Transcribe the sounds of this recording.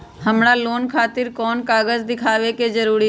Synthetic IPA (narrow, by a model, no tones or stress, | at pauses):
ɦəmɽaloːnkʰaːt̪ɪɾkɔːnkaːɣəzd̪ɪkʰaːʋekezəɾuːɾi